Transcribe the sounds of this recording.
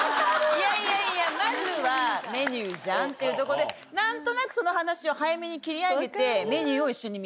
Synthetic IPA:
jaiaijamaɾɯβame̞ɲɨːʑãnt̪e̞iɯ̟t̪o̞koɾod̪e | nãnt̪o̞nakɯ̟̥so̞no̞hanaɕio̞hajame̞ɲ̟ikʲiɾʲiaɡe̞t̪e̞me̞ɲʲɨːo̞iɕːo̞ɲ̟imi

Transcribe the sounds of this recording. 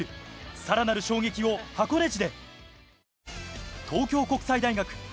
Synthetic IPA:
ɯ̟saɾanaɾɯ̟ɕo̞ːɡe̞kʲio̞hako̞ne̞t͡ɕid̪e̞ | t̪ʰo̞ːkʲo̞ːko̞kɯ̟̥said̪aiɡakɯ̟̥

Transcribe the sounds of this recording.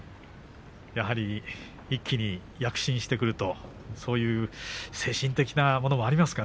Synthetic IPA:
jaɦaɾʲi | ikʲːiɲ̟i | jakɯ̟̥ɕĩɰ̃ɕi̥t̪e̞kɯ̟ɾɯ̟t̪o̞ | so̞ːjɯ̟ːse̞ːɕĩnt̪e̞kʲinamo̞no̞mo̞aɾʲimasɨ̥ka

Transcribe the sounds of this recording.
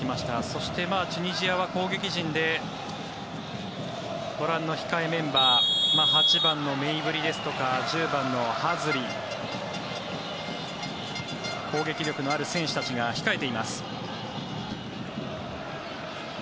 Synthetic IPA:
imaɕi̥t̪aso̞ɕi̥t̪e̞maːt͡ɕɨɲ̟iʑijaβako̞ːɡe̞kʲiʑĩnd̪e̞ | b̥o̞ɾãnːo̞çi̥kaemẽ̞mbaːmaːɦat͡ɕibãnːo̞meibɯ̟ɾʲid̪e̞sɨ̥t̪o̞kaʑɨːbãnːo̞hazɨɾʲi | ko̞ːɡe̞kʲiɾʲo̞kɯ̟noaɾɯ̟sẽ̞ɰ̃ɕɨ̥t̪at͡ɕiɡaçi̥kae̞t̪e̞imasɨ̥

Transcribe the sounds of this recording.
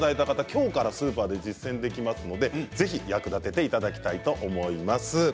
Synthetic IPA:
d̪aet̪akat̪akʲo̞ːkaɾasɨːpaːd̪e̞d͡ʑisːẽ̞nd̪e̞kʲimasɨno̞d̪e̞d͡ze̞çijakɯ̟d̪at̪e̞t̪e̞it̪ad̪akʲi̥t̪ait̪o̞ʔomo̞imasɨ

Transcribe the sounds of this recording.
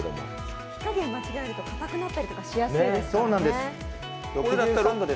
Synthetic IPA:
d̪o̰mo̰ | i̥kaɡẽmːat͡ɕiɡaiɾɯ̟t̪o̞kʰat̪akɯ̟nat̪ːaɾit̪o̞kaɕijasnɨid̪esso̞ːnãnd̪e̞sɨ | jokd̪at̪ːaɾõnd̪od̪e

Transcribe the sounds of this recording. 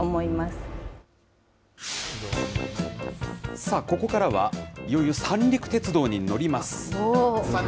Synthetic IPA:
omoimasɨ̥ | saːko̞ko̞kaɾaβa̰ijo̞jɯsãnɾʲikɯ̟̥t̪e̞t͡sɨd̪o̞ːɲ̟ino̞ɾʲimasɨ̥

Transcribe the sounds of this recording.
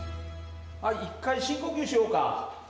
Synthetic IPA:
aikʰːajɕʰikoɡuɕʰioka̰

